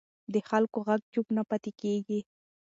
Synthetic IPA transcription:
d̪əxalkoɣaɡd͡ʒubnapat̪ekeɡi

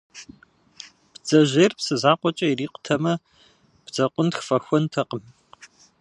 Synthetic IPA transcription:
b̥d͡zɐʑeːrpsɨzaːqʷɔt͡ʃʼɐiriːqʷʊ̥tʰɐmɐ | b̥d͡zɐqʷʼʊntxfɐxʷɔntʰɐqʼəm

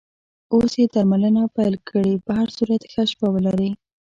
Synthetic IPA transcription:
osjed̪aɾmalənapajlkʰəɽipəɦaɾsuɾat̪xaʃpawəlaɾi

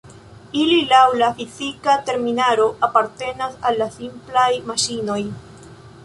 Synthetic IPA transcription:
ililawlafizikate̞ɾminaɾo̞ʔapaɾte̞nasalːasimplajmaʃino̞j

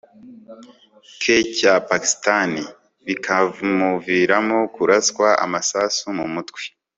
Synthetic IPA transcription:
kʰecapaki̥stani | βikʰamuviɾamo̞kuɾaskwaʔa̰masasumumutwe̥

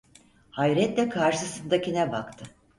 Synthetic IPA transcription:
hajɾɛt̪lʲɛkʰaɾʃɯsɯnd̪acʰinɛba̰kt̪ʰɯ

